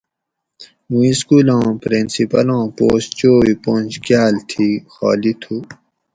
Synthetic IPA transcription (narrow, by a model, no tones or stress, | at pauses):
mũiskuːlɑ̃ːpɾinsipɐlɑ̃ːpoːst͡ɕoːwipõːnʲd͡ʑkjaːlt̪ʰiːxɑ̰ːlit̪ʰuː